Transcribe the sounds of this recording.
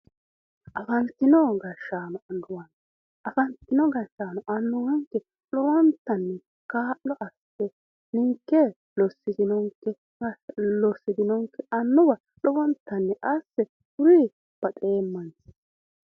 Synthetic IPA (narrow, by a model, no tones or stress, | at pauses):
ʔɐfɐnt̪ːɪnɔɡɐʃːaːnɔɐnd̪ʊwɐn | ʔɐfɐnt̪ːɪnɔɡɐʃːaːnɔʔɐnːʊwɐŋkːɛ | lɔwɔnt̪ːɐnːɛ | kaːʔːɔʔɐs | ɛ | nɪŋkːɛ | lɔsːɪd̪ɪnɔŋkːɛ | lɔsːɪd̪ɪnɔŋkːɛɐnːʊwɐ | lɔwɔnt̪ːɐnːɛʔɐsːɛ | ʊɾi | b̥ɐt̪ʼeːmːɐns